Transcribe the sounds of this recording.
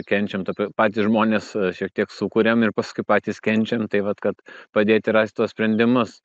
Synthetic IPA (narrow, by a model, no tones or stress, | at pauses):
kʲɛnʲt͡ʃʲɛmt̪oːpʲpɑːt̪ʲisʒmoːnʲeːsʃʲiɛk̚t̪ʲiɛksukʊɾʲemɪrpɑskʊɪpɑːt̪ʲiːskʲɛnʲt͡ʃʲɛmt̪ɐɪʋɐt̪kɐt̪pɐd̪ʲeːt̪ʲɪɾɑːsʲt̪uɔsʲpʲɾʲɛnʲd̪ʲɪmʊs